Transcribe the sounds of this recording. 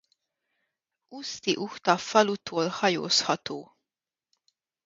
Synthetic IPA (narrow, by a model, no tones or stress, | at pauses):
ust̪iʔuht̪ɒfɒlut̪ʰoːlhɒjo̰ːshɒt̪oː